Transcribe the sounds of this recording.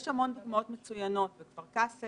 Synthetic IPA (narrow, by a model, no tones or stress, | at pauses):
jeʃhamo̞nd̪uɡmao̞tmet͡sujano̞tvekvaʁkase